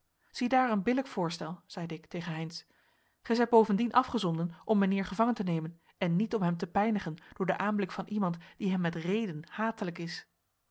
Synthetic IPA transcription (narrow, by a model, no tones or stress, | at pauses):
z̥idaːɹənbɪləkfʊːɹstɛlˠz̥ɛjdəɪktejχənɦɛjns | χɛjzɛjt̚bowvəndinʔɑfχəzɔndənʔɔmːɛnɪːɹχəvɑŋəntənejmən | ɛnːitɔmɦɛmtəpɛjnəχənd̥ʊːɹdəʔaːmblɪkfɑnʔimɑntd̥iɦɛmːɛtrejdənhaːtələkɪs